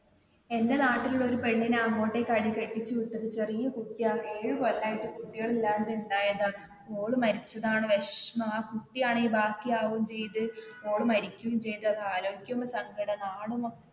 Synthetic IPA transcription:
e̞nde̞naːʈːiluɭːo̞ɾupe̞ɳːinɐŋːo̞ːʈːekɐɽikeʈːit͡ɕːɨut̪ːɐðɨt͡ɕe̞rijːɐkuʈːijaːɳɨeːɻɨkolːaːjiʈːɨkuʈːiɣɐɭilːaːnd̪uɳɖaːjɐða | oːɭumɐɾit͡ɕːɐðaːɳɨʋeʂmɐaːkuʈːijaːɳiːbaːkːijaːʋumt͡ɕe̞jt̪ɨo̞ːɭɨmɐɾikʲːuʋumt͡ɕe̞jt̪ɨɐðɨaːlo̞ːɡikʲːɐmɐsɐŋɡʱɐɽɐnaːɽumo

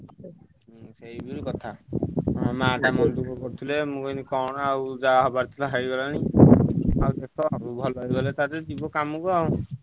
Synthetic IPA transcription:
seibiɾukɔt̪ʰa | maɖamɔnd̪ukɔkɔɾut̪ʰilemũkɔinikɔɽ̃awd͡ʒaaɦɔbaɾt̪ʰilaɦaɾiɡɔlani | awd̪ekʰɔaɾubʱɔlɔjɡɔlet̪at̪ed͡ʒibɔkamukɔu

